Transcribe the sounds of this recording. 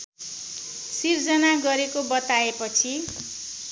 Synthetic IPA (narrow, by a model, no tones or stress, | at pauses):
sird͡zʌnaɡʌɾekobʌt̪aepʌt͡sʰi